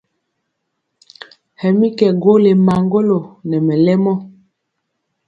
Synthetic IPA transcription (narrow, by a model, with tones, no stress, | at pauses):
hɛ˨mi˦kɛ˨ɡo˦le˨ma˨ŋɡo˦lo˨nɛ˨mɛ˨lɛ˦mɔ˦